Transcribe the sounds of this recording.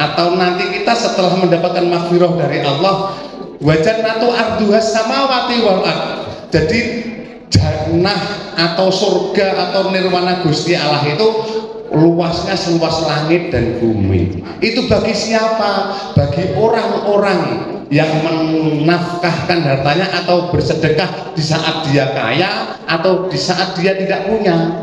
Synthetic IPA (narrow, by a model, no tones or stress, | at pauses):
ʔat̪awnant̪ikit̪asət̪əlahməndapat̪̚kanmakfiɾɔhdaɾiʔɑlːɔh | wad͡ʒat̪̚nat̪uʔard̪uɦasːamawat̪iwawat̪̚d͡ʒ̥adi̥ | d͡ʒ̥arnahat̪awsorɡ̥aʔat̪awnɪrmanaɡ̥ust̪ialaɦit̪u | luwasɲasəluaslaŋɪt̪̚d̥anb̥umḭ | ʔit̪uba̤ɡisiapa | b̥aɡiʔoɾaŋoɾaŋ | jaŋmənafkahkanɦat̪aɲaʔat̪awb̥ərsəd̥əkah | d̥isaʔat̪̚d̥iaka̰jaː | t̪awd̥isaʔat̪̚d̥i̤at̪idaʔpuɲa